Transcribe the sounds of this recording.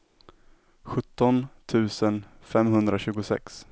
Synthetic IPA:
ɧɵt̪ːɔnt̪ʰʉ̟ːsən | fɛmhɵnd̪ɾaɕʉ̟ːɡʊsɛ̰ks

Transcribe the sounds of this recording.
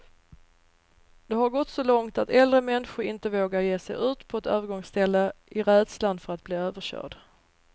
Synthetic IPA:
d̪̥ɛɦaɾɡɔt̪ːsɔlɔŋt̪at̪ɛld̪ɾəmɛnɧʊɾɪnt̪əvoːɡaɾjeːsɛ̰jʔʉ̟ːt̪pʰɔɛt̪øːvəɾɡɔŋst̪ʰɛlːəʔɪɾɛd̪sland̪fœɾat̪̚bliːøːvəʂœ̰ːɖ

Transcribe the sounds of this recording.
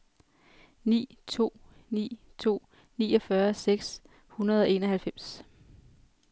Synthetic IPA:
nḭːt͡sʰo̝̰ːnḭːt͡sʰo̝̰ː | nḭːɒ̽fɶɐseɡ̥s | hunɐð̞ˠɒ̽e̝nɒhælfem̰s

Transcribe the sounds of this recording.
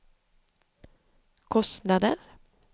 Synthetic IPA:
kʰɔst̪nad̪ə̰ɾ

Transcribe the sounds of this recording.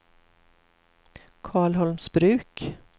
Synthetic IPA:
kʰɑːɭhɔlmsbɾʉːk

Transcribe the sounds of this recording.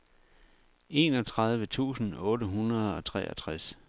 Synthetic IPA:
e̝ːnɒt͡sʰʁɑ̈ð̞ˠʋət͡sʰṵːsn̩ɔ̽ːɾəɦunʁɐð̞ˠɒ̽t͡sʰʁɛ̰ːɐ̰t͡sʰʁas

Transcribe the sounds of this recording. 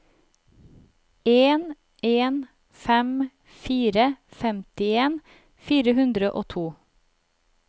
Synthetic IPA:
eːn | eːn | fɛm | fiːɾəfɛmt̪ɪeːn | fiːɾəhʉnd̪ɾəʔo̰ːt̪ʰuː

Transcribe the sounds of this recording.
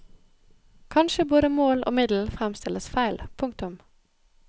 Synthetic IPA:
kʰɑnʃəboːd̪əmoːlʔo̰ːmɪd̪l̩fʁæmst̪ɪlʔəsfæɪlpʰʊŋkt̪ʊm

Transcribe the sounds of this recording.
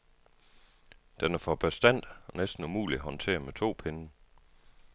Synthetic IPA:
d̥enæɐfɒb̥æsd̥æn̰d̥ɒnesd̥n̩umṵːliɦɒ̽nt͡sʰe̝̰ːɐmet͡sʰo̝̰ːpʰenə

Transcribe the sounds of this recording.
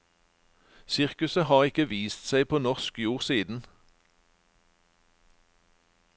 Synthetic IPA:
sɪʁkʉsəhɑːʁɪkəʋiːst̪sæɪpʰoːnɔʁʃkjuːʁsiːd̪n̩

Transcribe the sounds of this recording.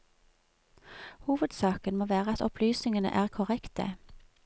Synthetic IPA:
huːʋəd̪sɑːkənmoːʋæːʁəɑt̪ɔpʰlyːsnɪŋənə̰ʔæːʁkʰɔʁɛkt̪ə̰

